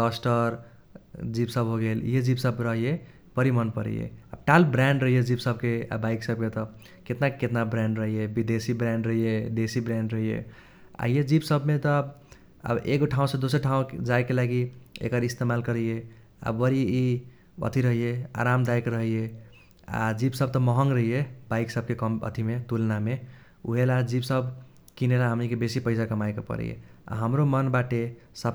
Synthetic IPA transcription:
ɔsʈəɾ | d͡ʒibsəbɦoɡeljed͡ʒibsəbɾəɦije | pəɾimənpəɾɛ̰jḛa̰b̚ʈalbɾaɳɖɾəɦijed͡ʒibsəb̚kea̰baiksəb̚ket̪ʌ | ket̪naket̪nabɾãɳɖɾəɦijebid̪esibɾãɳɖɾəɦijed̪esibɾãɳɖɾəɦijḛ | a̰jed͡ʒibsəbmet̪ɔ | ə̰bḛɡoʈʰaw̃sʌ̃d̪osəɾʈʰãõd͡ʒajkelaɡiḛkəɾist̪emalkəɾəje | a̰ʋəɾii | ə̰t̪ʰiɾəɦijea̰ɾamd̪ajkɾəɦije | a̰d͡ʒibsəb̚t̪ɔməɦəŋɡɾəɦijebaɪksəb̚kekəmə̰t̪ʰimet̪ulname | ṵɦelad͡ʒibsəb | kinelaɦəmnikebesipəɪsakəmajkepə̰ɾə̰jḛa̰ɦəmɾomənbaʈesəb

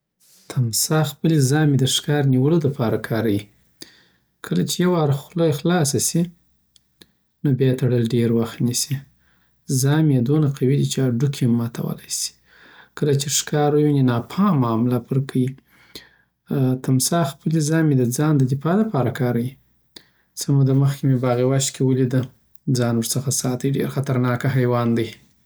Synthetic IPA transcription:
t̪ʰamsɑxpəlizɑmed̪əʂkɑɾniwəlod̪əpɑɾakʰɑɾawi | kʰəlat͡ʃejawɑɾxlojxlɑs̬asi | nobjɑt̪aɽəlɖeɾwaxt̪nisi | zɑmjed̪onaqawid̪it͡ʃeaɖukʰemːɑt̪ʰa̰wə̰lajsi̥ | kəlat͡ʃeʂkɑɾajuninɑpʰɑmɑmlapəɾkʰawi | t̪ʰamsɑxpəlizɑmed̪əd͡zɑnd̪əd̪ɪfɑlapɑɾakɑɾawi | səmud̪aməxkʲemebɑɣewaʃt̪kʰewəlid̪ə | d͡zɑnwəɾsəxasɑt̪əjɖḛɾxat̪aɾnɑkaɦajwɑnd̪əj

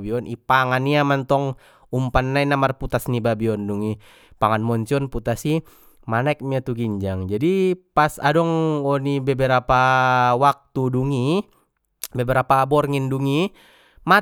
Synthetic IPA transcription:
biɔnʔipaŋaniamant̪ɔŋ | umpanːainamarput̪asnibabiɔnduŋi | paŋanmɔɲt͡ʃiɔnput̪asi | manaɛk̚miat̪uɡiɲd͡ʒaŋd͡ʒadipasa̰dɔŋɔnibɛbɛɾapawak̚t̪uduŋi | bɛbɛɾapabɔrŋinduŋi | ma

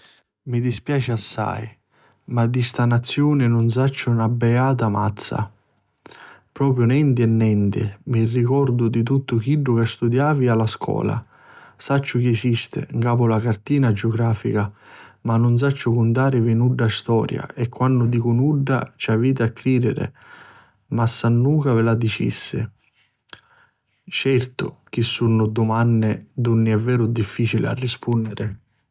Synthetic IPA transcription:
mid̪ispjaːt͡ʃɪasːa̰j | mad̪ːist̪anat̪sːjuːnɪnʊns̬at͡ʃːʊnabːɛaːt̪ama̰t̪sːa̰ | pɾɔːp̬ɾjʊnɛnt̪ɪɛnːɛnt̪ɪ̰mirːikɔɾd̪ʊd̪it̪̬ut̪ːʊkiɖːʊkast̪ud̪jaːvialaskʰɔ̰ːla̰ | sat͡ʃːʊk̟iɛsist̪ɪ̰ŋkaːpʊlakart̪iːnad͡ʒɪʊɡɾaːfikamanːʊns̬at͡ʃːʊkʊnt̪aːɾɪvinuɖːast̪ɔːɾja̰ʔɛkːwanːʊd̪iːkʊnuɖːa̰t͡ʃaviːt̪̬ɪakːɾiːd̪ɪɾɪ̰ | masːanːuːkavɪlad̪it͡ʃḭsːɪ | t͡ʃɛrt̪ʊk̟isːunːʊd̪ʊmanːɪd̪unːɪɛvːɛːɾʊd̪ifːiːt͡ʃilɪ̰a̰rːispunːɪɾɪ

